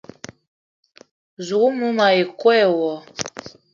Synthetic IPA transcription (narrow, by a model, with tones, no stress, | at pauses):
zu˨ɣu˦mu˦ma˨e˨kwɛ˦˨wɔ˨˦